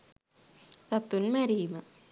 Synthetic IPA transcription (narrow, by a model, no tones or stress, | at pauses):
sɐp̚t̪unmɐɾiːmɐ